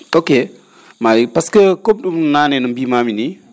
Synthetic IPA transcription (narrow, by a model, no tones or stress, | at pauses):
oke | maipaskəkomɗumnnanenəmbimamini